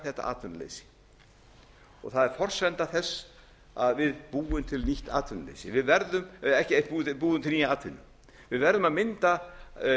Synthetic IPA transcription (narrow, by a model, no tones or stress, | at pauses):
θɛht̪a̰ʔa̰ːt̪ʰʏnlḛjsɪ̥ | ɔ̰ɣθaðɛɾ̥fɔr̥sɛnt̪aθɛsː | aðvɪðpuːʏmt̪ʰɪlniht̪a̰ːt̪ʰʏnlḛjsɪvɪðvɛɾðʏmɛhcɪɛpuːpuːðʏmt̪ʰɪlniaːt̪ʰʏnːɪ | vɪðvɛɾðʏmaðmɪnt̪a